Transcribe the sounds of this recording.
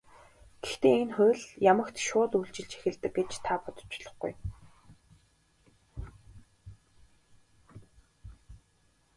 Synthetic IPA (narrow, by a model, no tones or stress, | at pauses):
ɡ̥ext̪eːenχʊ̟ːɮjamə̆kt̪ʃʊːt̪ujɬt͡ɕɪ̆ɮt͡ɕʰe̥xʲɪ̆ɮt̪ɘ̆kɡet͡ɕt̪ʰapɔt̪ɞ̥̆t͡ɕʊɮɞ̆χɡṵj